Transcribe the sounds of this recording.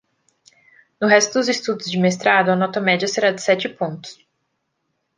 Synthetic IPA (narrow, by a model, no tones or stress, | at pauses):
nʊɦɛst̪ʊd̪ʊzɪst̪ud̪ʊzd͡ʒɪmest̪ɾad̪ʊɐnɔt̪ɐmɛd͡ʒɐseɾad͡ʒɪsɛt͡ʃɪpõnt̪ʊ̥s